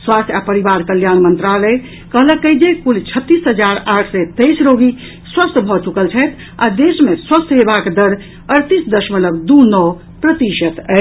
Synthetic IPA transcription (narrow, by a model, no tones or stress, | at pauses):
swast̪ʰjapəɾibaɾkəljanmənt̪ɾalə | kəɦləkːəɪd͡ʒekult͡ʃʰət̪ːisɦəd͡ʒaɾaʈʰsɛt̪əjsɾoɡi | swəst̪ʰbʱɔt͡ʃukəlt͡ʃʰəjt̪ʰ | a̰d̪esmeswəst̪ʰɦebakd̪əɾ | əɾt̪isd̪əʃmələbd̪unɔ | pɾət̪iʃət̪ɛ